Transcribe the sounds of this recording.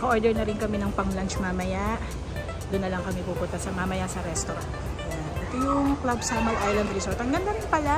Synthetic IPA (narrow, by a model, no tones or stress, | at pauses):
kɐʔoɹd̪ɛɹnɐɾɪnkɐmɛnɐŋpɐŋlant͡ʃmamɐjaʔ | d̪ʊnːɐlɐŋkɐmɛpuːpʊnt̪ɐsɐmamɐjasɐɾɛst̪oɾa̰nt̪ | ʔɛt̪ojʊŋklabsamɐlʔajlɐnd̪ɾɪsoɹt̪ɐŋɡɐnd̪anpɐla